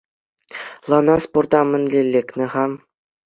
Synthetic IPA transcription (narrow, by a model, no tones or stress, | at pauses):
lˠɑnɑsport̪ɑmʲɘ̆nʲlʲelʲːekʲnʲɘ̆χɑm